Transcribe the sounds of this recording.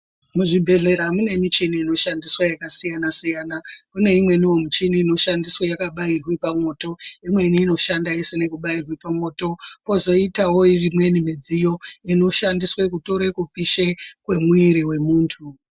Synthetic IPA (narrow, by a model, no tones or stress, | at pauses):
muʐibʱe̞ɮe̞ɾamune̞mit͡ʃiniino̞ʃandiswajakasijanasijaːnakune̞imwe̞niwo̞mut͡ʃinino̞ʃandiswajakaɓairwipamo̞ːto̞imwe̞niːno̞ʃandaisine̞kuɓairwipamo̞ːto̞po̞zo̞itawo̞irimwe̞nimid͡zijo̞ino̞ʃandiswakuto̞ɾekupiʃekwe̞muiɾiwe̞muːntʰu